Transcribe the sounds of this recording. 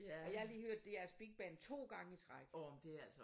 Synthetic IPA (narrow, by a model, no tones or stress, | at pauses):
ɒ̽jɑ̈hɑ̈liːhøɐ̰d̥ːe̝jæɐsb̥iɡ̥̚b̥ɛːn̩t͡sʰo̝̰ːɡ̥ɑ̈ŋəit͡sʰʁɑɡ̥ɔmd̥e̝ælsə